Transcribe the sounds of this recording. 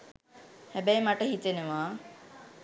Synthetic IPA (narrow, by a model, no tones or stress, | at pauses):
hæbɛjmaʈəɦit̪eneʋaː